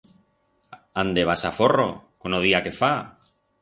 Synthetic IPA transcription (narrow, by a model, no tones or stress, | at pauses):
and̪eβasaforo̰konoðiakefa